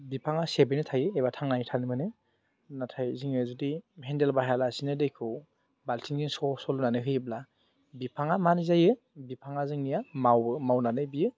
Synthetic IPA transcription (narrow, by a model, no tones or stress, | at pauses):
bipʰaŋasebenɯtʰajɯebatʰaŋnanitʰanimɯnɯ | natʰajziŋezudihendelbaɦalasinɯdejkʰɯw | baltʰiŋziŋsɔsɔlunanɯɦɯjɯbla | bipʰaŋamanizajɯ | bipʰaŋazɯŋnijamawɯmawnanɯjbijɯ